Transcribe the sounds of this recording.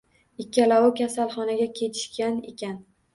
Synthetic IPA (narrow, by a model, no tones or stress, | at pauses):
ɪkʲʰːalawʊkʲasalˠχɒnaɡʲakʲʰe̞t̪ʰɪ̥ʃkʲanḛkʲʰan